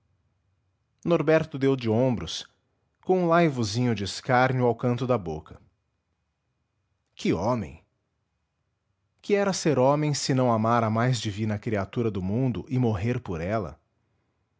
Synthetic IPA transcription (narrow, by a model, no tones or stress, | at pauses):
noɾbɛɾt̪ʊd̪ewd͡ʒɪõmbɾʊs | kõw̃ũlajvʊzĩɲʊd͡ʒɪskaɾnʊawkɐ̃nt̪ʊd̪ɐbokɐ̥ | kɪõmḛ̃j̃ | kɪɛɾɐseɾõmẽj̃sɪnɐ̃w̃amaɾɐmajzd͡ʒivĩnɐkɾiat̪uɾɐd̪ʊmũnd̪ʊʔɪmoɦeɾpoɾɛlɐ̰